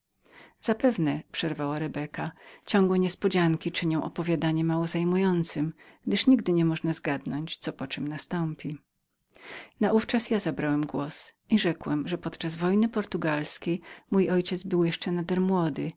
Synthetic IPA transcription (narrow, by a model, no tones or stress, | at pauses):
z̥apɛvnɛpʂɛɾvawaɾɛbɛkat͡ɕɔ̃ŋɡwɛɲɛspɔd͡ʑaŋkʲit͡ʂɘɲɔ̃w̃ʔɔpɔvʲjad̪aɲɛmːawɔzajmujɔnt̪sɘmɡ̥d̪ɘʂɲiɡd̪ɘɲɛmɔʐnazɡad̪nɔɲt͡ɕt̪sɔpɔt͡ʂɛmnast̪ɔmpʲi | naʔuft͡ʂasjazabɾawɛmɡwɔsʔiʐɛkwɛmʐɛpɔt̪t͡ʂazvɔjnɘpɔɾt̪uɡalskʲejmujʔɔjt͡ɕɛd̪zbɘwjɛʂt͡ʂɛnad̪ɛɾmwɔd̪ɘ